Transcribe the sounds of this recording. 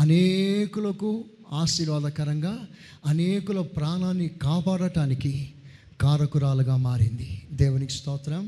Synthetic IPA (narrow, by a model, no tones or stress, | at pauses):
ɐnekulɐku | aːsiɾʋaːd̪ɐkɐɾɐŋɡaː | ɐneːkulɐpɾaːnaːnːikaːpaːɽɐʈaːniki | kaːɾɐkuɾaːluɡaːmaːɾind̪id̪ɛːʋɐnikst̪ɔːt̪ɾɐm